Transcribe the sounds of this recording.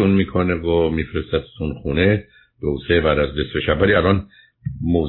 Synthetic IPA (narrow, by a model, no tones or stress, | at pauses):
unmiːkʰoneɡomiːfɾest̪æt̪t̪ʰunxuːne | b̥eusebæɾæzd̪esbeʃæbbæliælɒn | moːz